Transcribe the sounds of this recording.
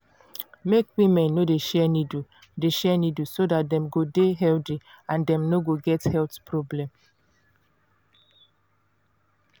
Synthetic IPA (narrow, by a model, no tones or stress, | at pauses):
mekwĩmɛ̃nːodeʃɛnidu | deʃɛnidusodat̚dɛ̃mɡodeɦɛldiãndɛ̃mnoɡoɡɛthɛltpʰɹɔblɛ̃m